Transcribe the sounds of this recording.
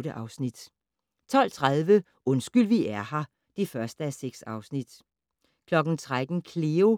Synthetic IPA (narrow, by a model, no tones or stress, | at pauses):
ɾəʔɑ̈ʊsnid̥ | t͡sʰɒ̽l̰t͡sʰʁað̞ˠʋə | ʔɔ̽nsɡ̥yl̰ʋiʔæɐhɑ̈ | d̥efɶɐsd̥əæseɡ̥sɑ̈ʊsnid̥ | kʰlɒ̽ɡ̥n̩t͡sʰʁad̥n̩kʰle̝ːo